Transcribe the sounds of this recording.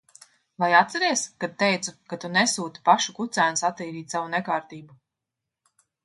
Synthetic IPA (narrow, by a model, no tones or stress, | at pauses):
vajat̪t̪sɛɾɛɛskad̪̚t̪ɛjt̪sukat̪unɛsuːt̪i̥paʃukut̪sæːnsat̪ːiːɾiːt̪savunɛkaːɾt̪iːbu